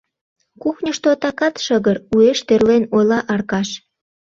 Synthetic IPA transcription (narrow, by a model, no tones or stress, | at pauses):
kuxnʲəʃt̪ot̪ɑkɑt̪ʃəɣəɾueʃt̪erlenojlɑʔɑrkɑʃ